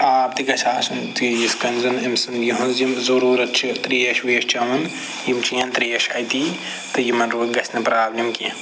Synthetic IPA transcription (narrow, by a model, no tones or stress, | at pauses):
aːp̚t̪iɡɐt͡ʃʰaːsunt̪ijiskɐnzɐnimsɨnjiɦunzimzoɾuːɾɐt͡ʃʰit̪ɾijɐʃʋiːʃt͡ʃʰɐmun | jimt͡ʃiɐnt̪ɾiːɐʃɐjt̪i | t̪ɨjimɐnɾuːɡɐsʰnɨpɾaːblimkiɐ